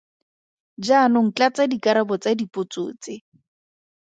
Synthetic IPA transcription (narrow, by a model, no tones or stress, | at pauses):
d͡ʒaːnʊŋ̩t͡ɬat͡sadikaɾabɔt͡sadipʼʊt͡sʊ̰ːt͡sɪ